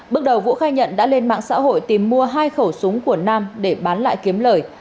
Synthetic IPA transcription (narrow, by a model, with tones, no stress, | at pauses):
ɓɨ˦˥ək̚ɗə˨˩wvṵ˧˥xaː˧jɲə̰˧˨nɗa̰ː˧˥le˧nma̰ː˧˨ŋsa̰ː˧˥ɦo̰˧˨jt̪i˨˩mːu˧əɦaː˧jxə˧˩wsʊ˨˦ŋ͡mku˧˩ənaː˧mɗe˧˩ɓaː˨˦nla̰ː˧˨jki˨˦əmləː˧˩j